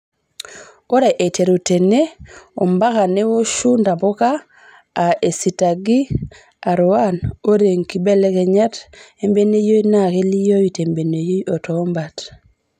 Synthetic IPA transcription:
o˦ɾe˨ʔe˨te˨ɾu˨te˨ne˦o˨mba˦ka˨ne˦wo˦ʃu˦nda˨bo˦kaː˦˨ | ʔe˨si˨ta˨ɡi˦ | a˨ɾuwano˦ɾe˨ŋki˨be˦le˦ke˨ɲa˦te˦mbe˦ne˦jo˦jnake˦li˦jo˦wi˨te˨mbe˨ne˨jo˦jo˨to˨˦mbat

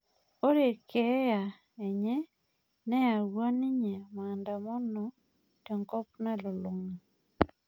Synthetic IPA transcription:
o˦ɾe˨kɛ˨˦ja˨ | e˨ɲɛ˦ | nɛ˦a˨wa˦nɪ˦ɲe˨ma˨nda˨mɔ˦nɔ˨ | to˨ŋkɔ˦pna˦lɔ˨lo˨ŋa˨

